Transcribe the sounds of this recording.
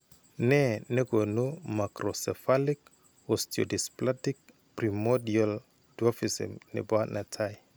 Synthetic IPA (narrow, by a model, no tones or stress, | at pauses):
nɛnɛɡonumakɾɔsɛfalik | osto̰displatik̚ | primɔdial | duɔfisḭmnḭbanʔatʰaj